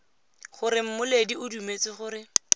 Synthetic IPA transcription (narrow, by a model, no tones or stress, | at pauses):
χʊɾɪm̩mʊlediʊdumet͡sɪχʊːɾɪ